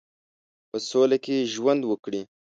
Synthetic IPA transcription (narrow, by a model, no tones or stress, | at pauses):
pəsolakeʒwand̪wəkɽi